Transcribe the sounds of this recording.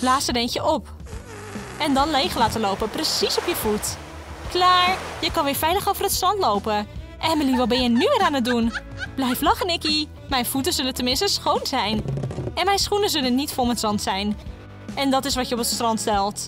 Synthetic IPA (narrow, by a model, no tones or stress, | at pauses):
laːsədɛjnəʔɔp | ɛndɑnlejχəlaːtəlowpəprəsisɔpjəv̥ut | klaːɹjəkɑnʋɪːɹfɛjləχowvərətstrɑntlowpəʔɛnməliʋəbɛjənyʋɪːɾaːnət̚dun | b̥lɛjflɑχənɪki | mɛjnfutəzɵləntəmɪnstəsχownzɛjnɛnmɛjnsχunəzɵlənːitfɔlˠmətsɑntsɛjn | ɛndɑtɪsʋɑtjəɔpətstrɑntstɛlˠt